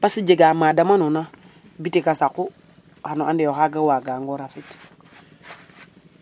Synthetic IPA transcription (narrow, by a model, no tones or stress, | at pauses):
pasid͡ʒeɡamadamanuna | bitikasaku | hanuʔandijoɦaɡawaɡaŋɡoɾafit